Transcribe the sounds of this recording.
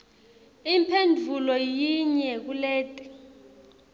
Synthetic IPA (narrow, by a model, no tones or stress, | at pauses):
impʰendʱulɔjiɲɛk̬uleːtʼi̥